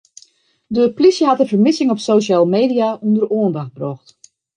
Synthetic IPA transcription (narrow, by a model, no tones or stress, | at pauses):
dəplisjəɦatənvəɹmɪsɪŋɔpsoːʃaːlˠmeːdiaundəroəndax̚brɔxt